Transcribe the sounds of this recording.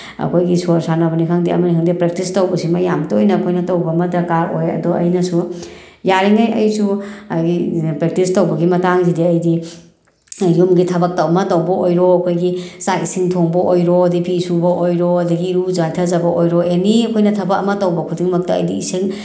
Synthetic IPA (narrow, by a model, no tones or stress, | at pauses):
ɐ̰kʰojɡisuɾsʰanɐbɐnikʰaŋdiɐ̰mɐnikʰaŋdipɾek̚tistɐwbɐsimɐjamtuojnɐːkʰojnɐtɐwbɐmɐdɐkaɾojɐ̰dɔʔɐjnɐsujaɾiŋajɐjsuɡipɾek̚tistɐwbɐɡimɐtaŋzidiɐjdi | jumɡitʰɐbɐk̚tɐwmɐtɐwbɐʔojɾoɐkʰojɡisajsiŋtʰoŋbɐʔojɾoɐdipʰisubɐʔojɾɔɐdɐɡiɾuzajtʰɐzɐbɐʔojɾɔeniɐkʰojnɐtʰɐbɐkɐmɐtɐwbɐkʰudiŋmɐk̚tɐ̰ːjdiːsiŋ